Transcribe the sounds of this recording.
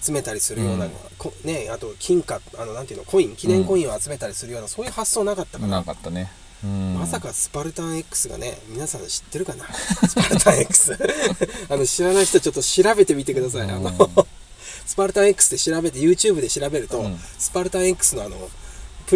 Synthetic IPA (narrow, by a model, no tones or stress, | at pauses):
at͡sɨme̞t̪aɾʲisɨɾɯ̟jo̞̰ːnaɡ̰a̰kʰõne̞at̪o̞kʲʰĩŋkaanoãnt̪eiɯ̟nokʰõ̞ĩŋkʲinẽ̞ŋkõ̞ĩo̞at͡sɨme̞t̪aɾʲisɨɾɯ̟jo̞ːnaso̞ːjɯ̟ːhasːo̞ːnakat̪ːakanaat̪ːane | masakasɨ̥paɾɯ̟t̪ãɰ̃ekːɯ̟̥sɨɡa̰ne̞̰mʲinasãɰ̃ɕi̥t̪ːe̞ɾɯ̟kanasɨ̥paɾɯ̟t̪ãɰ̃ekːɯ̥sɨ | ano̞ɕiɾanaiçi̥t̪ot͡ɕo̞t̪ːo̞ɕiɾabe̞t̪e̞mʲit̪e̞kɯ̟d̪as̬aḭʔa̰no | sɨ̥paɾɯ̟t̪ãɰ̃ekːɯ̟̥sɨd̪e̞ɕiɾabe̞t̪ejɯ̟ːt͡ɕɨːbɯ̟d̪e̞ɕiɾabe̞ɾɯ̟t̪o̞sɨ̥paɾɯ̟t̪ãɰ̃ekːɯ̟̥sɨno̞ano̞̰pɯ̟